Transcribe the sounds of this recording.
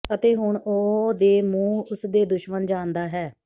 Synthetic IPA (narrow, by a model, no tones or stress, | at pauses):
ət̪eːɦʊɳoːd̪eːmũːʊsd̪eːd̪ʊʃmənd͡ʒãːnd̪aːɦɛː